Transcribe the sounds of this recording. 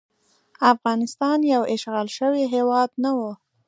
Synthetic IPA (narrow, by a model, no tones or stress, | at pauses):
afɣɑnɪst̪ɑnjawɪʃɣɑlʃəwiɦewɑd̪nawu